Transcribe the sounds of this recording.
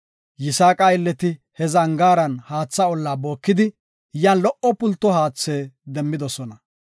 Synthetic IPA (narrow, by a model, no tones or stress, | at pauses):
jɪsaːkʼajɪlːɛt̪ɪ | hɛzɐŋɡaːɾɐnhaːt͡sːɐɔlːaːbo̞ːkːɪd̪ɪ | jaːnlɔʔɔpʊlt̪ːɔhaːt͡sːeːd̪ɛmːɪd̪ɔsɔnɐ